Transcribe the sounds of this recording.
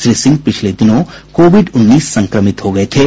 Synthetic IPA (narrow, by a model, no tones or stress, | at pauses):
ʃɾɪsɪ̃ŋɡpɪt͡ʃʰled̪ɪnõkoːʋɪɖʊnːiːsːɐ̃ŋkɾəmɪt̪ɦoɡɐet̪ʰeː